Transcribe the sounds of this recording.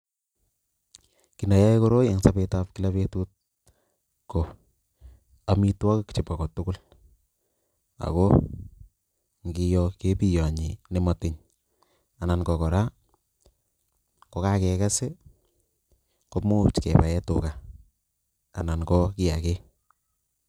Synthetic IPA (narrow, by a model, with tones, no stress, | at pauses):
ki˨na˨ja˦jko˦ɾo˦je˨ŋsa˦petapki˦la˦pe˦tu˦t̚ | kɔ˨ | a˦mi˦twa˦kkt͡ʃɪ˨pa˨kɔ˨tʊ˦kʊ˦l | a̰˨kɔ˦ | ŋɡi˦jɔke˦pi˦jɔ˨ɲi˨ne˦ma˨tɪ˨ɲ | a˨na˨nkɔ˨kɔ˨ɾa˦ | kɔ˨ka˦kɛ˨ka˦se˦ | ko˦mo˦t͡ʃkɛ̰˨pa˨ɛ˦tʊ̰˨ka˨ | a˨na˨nkɔ˦ki˦ja˨ke˦